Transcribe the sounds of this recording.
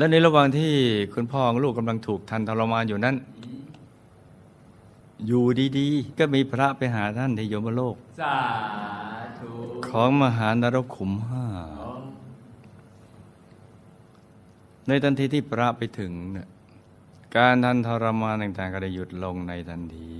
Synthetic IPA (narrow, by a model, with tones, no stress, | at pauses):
lɛ˦˥wni˦˥˩ɾa˧wa˨˩ŋt̪ʰiː˥˩kʰu˧npʰɔː˧˩˧ŋluː˥˩kːa˧mla˧ŋt̪ʰuː˨˩k̚t̪ʰa˧nt̪ʰɔ˧ɾa˧maː˧njuː˨˩na˦˥n | juː˨˩diː˧diː˧kɔː˥˩miː˧pʰɾa˦˥pa˧jɦaː˩˦t̪ʰa˥˩nt̪ʰiː˧˩joː˦ma˧˥˩loː˥˩k̚ | kʰɔː˩˦ŋma˧ɦaː˩˦ndaː˧ɾo˦˥˩p̚kʰu˨˩˦mɦaː˥˩ | na˧jt̪ʰa˧nt̪ʰiː˧˥t̪ʰiː˥˩pʰɾa˦˥pa˧jt̪ʰɯ˩˦ŋ˧˩ | kaː˧nt̪ʰa˧nt̪ʰɔ˧ɾa˧maː˧nt̪a˨˩ŋt̪aː˨˩ŋkɔ˥˩da˥˩ju˨˩t̪̚lo˧ŋna˧jt̪ʰa˧nt̪ʰiː˧